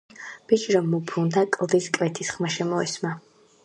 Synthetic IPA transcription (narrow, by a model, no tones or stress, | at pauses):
b̥it͡ʃʼiɾɔmːupʰɾund̪akʼlˠd̪iskʼvɛt̪ʰisχmaʃɛmɔḭsma